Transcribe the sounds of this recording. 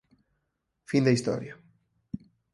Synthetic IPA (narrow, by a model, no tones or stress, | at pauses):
find̪ɐist̪ɔ̰ɾjɐ